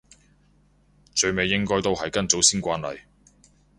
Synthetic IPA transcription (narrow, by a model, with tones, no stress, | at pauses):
t͡ʃɵ˧ɥme˨˧jːɪ˥ŋkɔː˥jt̪o˥wɦɐ˨jkɐ˥nt͡so˨˥wsiː˥nkʷaː˥nlɐ̰˨j